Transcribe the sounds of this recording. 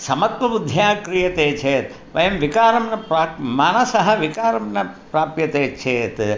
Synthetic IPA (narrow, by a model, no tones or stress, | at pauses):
sɐmɐt̪ʋɐbud̪ʱjaːkɾijɐt̪eːt͡ʃʰeːt̪ | ʋɐ̰jɐmʋikaːɾɐmnɐpɾaːmaːnɐsɐɦɐʋikaːɾɐmnɐpɾaːpjɐt̪eːt͡ʃʰeːt̪